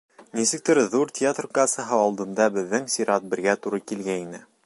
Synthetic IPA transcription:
nisɘ̆k̚t̪ɘɾðuɾt̪ʲɪat̪rkasɑɦɤɒlˠd̪ɤ̆md̪ɑbɘ̆ðːɘŋsʲiɾɑt̪̚bɘ̆ɾɡæt̪uɾɤkilɡæinɘ

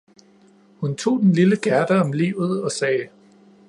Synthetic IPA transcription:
hunt͡sʰo̝̰ːd̥enliləɡ̥æɐd̥əɒ̽mlḭːʊð̞̩ˠɒ̽sɛː

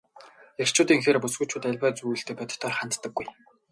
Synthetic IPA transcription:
er̥t͡ɕʰʊːt̪iːŋxeːrpusɡɵ̆t͡ɕʰʊːt̪æɮʲpæːt͡sujɬt̪eːpæt̪̆ʰt̪ʰɔːrχan̥t̪ːə̆ɡːuj

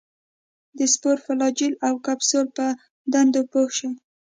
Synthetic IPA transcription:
d̪əspoɾfalɑd͡ʒilawkabsoɾpə | d̪and̪opohʃo

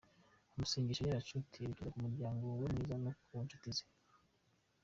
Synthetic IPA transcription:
amusiːŋɡiʃojaɾat͡ʃutʰiituɾikumuɾɟaːŋɡowemŋiːzanokwont͡ʃu̥tize

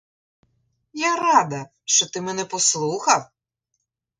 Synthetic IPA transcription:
jaɾɑd̪ɐ | ʃt͡ʃɔt̪ɪmɛnɛpɔslˠuxɐw

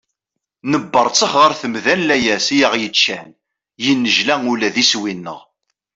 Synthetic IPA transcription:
nəbːəɾˤt͡sːəχʁəɾθəmðænlæjæsjəʁjət͡ʃːæn | jinːəʒlæŋulæðiswinːə̰ʁ

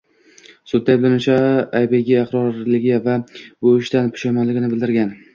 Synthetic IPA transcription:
sʊd̪ːajblanʊt͡ʃʰaajbeɡʲɪɑqɾɒɾlɪɡʲɪvaboɪʃt̪anpʰʊ̥ʃajmɒnlɪɡʲɪnɪbɪld̪ɪɾɡʲan

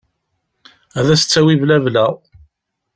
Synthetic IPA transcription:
æðæsə̥t͡sːæwivlævlæ

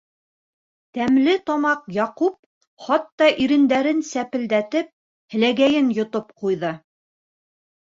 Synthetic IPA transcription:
t̪æmlɘt̪ɑmɑqjɑqup̚ | χɑt̪ːɑʔiɾɘ̆nd̪æɾɘnsæpɘ̆ld̪æt̪ɘp̚ | hɘ̆læɡæjɘnjŏt̪op̚qujðɤ

